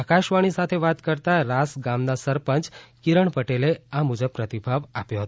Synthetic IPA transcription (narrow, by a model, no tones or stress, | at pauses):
akaʃʋaɽ̃isat̪ʰeʋat̪kəɾt̪aɾasɡamnasəɾpənt͡ʃkiɾəɳpəʈeleamud͡ʑəb̚pːɾət̪ibʱaʋapjoɦət̪o